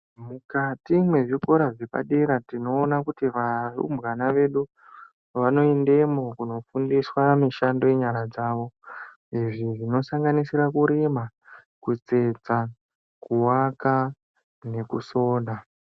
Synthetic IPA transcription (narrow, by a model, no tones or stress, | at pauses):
mukatimwe̞ʐiko̞ɾaʐe̞pa̰ɗe̞ɾatino̞ːnakutiʋarṵmbɣanaʋe̞ɗu | ʋano̞ende̞mokuno̞fundiswamiʃando̞eɲaɾad͡zaːʋo̞ | iʐiʐino̞saŋɡanisiɾakuɾimakut͡se̞d͡za | kuwaka | ne̞kuso̞ːɗa